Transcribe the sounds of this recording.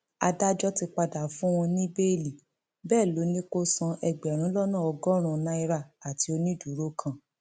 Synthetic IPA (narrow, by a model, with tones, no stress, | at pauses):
a̰˧da˦d͡ʒɔ˦ti˧k͡pa˧da˨fũ˦w̃ɔ̃˧nĩ˦be˦˨li˨ | bɛː˦˨lo˨˦nĩ˦ko˦sã˧ʔɛ˧ɡ͡bɛ˨ɾ̃ã˨˦lɔ˦nã˦˨ɔ˧ɡɔ˦ɾ̃ũ˦˨nã˧˦i˧ɾa˧˨a˨ti˨˦o˧nĩ˦du˨˦ɾo˦kʰã˦˨